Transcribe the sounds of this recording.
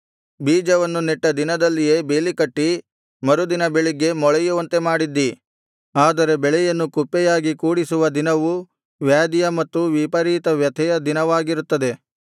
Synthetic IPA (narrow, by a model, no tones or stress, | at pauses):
biːd͡ʒɐʋɐnːuniʈːɐd̪inɐd̪ɐlːijeːbeːlikɐʈːi | mɐɾud̪inɐbeɭiɡe̞mɔɭɛjuʋɐnt̪e̞maːɽid̪ːi | aːd̪ɐɾe̞bɛɭɛjɐnːukupːɛjaːɡikuːɽisuʋɐd̪inɐʋu | ʋjaːd̪ijɐmɐt̪ːuʋipɐɾiːt̪ɐʋjɐt̪ʰɛjɐd̪inɐʋaːɡiɾut̪ːɐd̪e̞